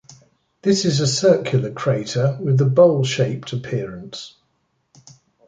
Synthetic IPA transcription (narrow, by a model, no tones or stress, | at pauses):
ðɪsɪzəsɜˑkʰjəl̩ˠəkʰɹ̥eɪtʰəwɪðəbəʊlˠʃeɪp̚tʰəpʰɪəɹə̃nts